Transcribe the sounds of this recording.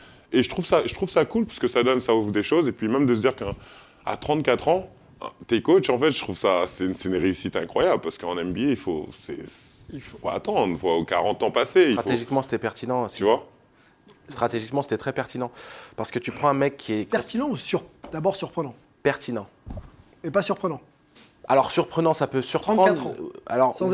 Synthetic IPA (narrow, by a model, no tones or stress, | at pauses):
eʒət̪χuvsaʒət̪χuvsakulpḁsəkəsad̪ɔnsaovud̪eʃozepɥimɛmd̪əs̬əd̪iʁkə | a̰t̪χɑ̃t̪̚kat̪χɑ̰̃ | t̪ekot͡ʃɑ̃fɛt̪ʒət̪χuvsasɛynsɛynʁeysit̪ɛ̃kχwajabləpaʁsə̥kəɑ̃nɛmbieifo̰sɛ̰ilfo̥pa̰ːt̪ɑ̃d̪ʁvwaokaʁɑ̃t̪ɑ̃paseiaeʒikmɑ̃se̥t̪ɛpɛʁt̪inɑ̃t̪yvwa | st̪χat̪eʒikmɑ̃se̥t̪ɛt̪χɛpɛʁt̪inɑ̃paʁsə̥kət̪ypχɑ̃ɛ̃mɛkʰːiɛɛt̪inɑ̃usyʁd̪abɔʁsyʁpχənɑ̃ | pɛʁt̪ʰinɑ̃ | epasyʁpχənɑ̃ | alɔʁsyʁpχənɑ̃sapøsyʁp̪ɑ̃a̰lɔʁ̃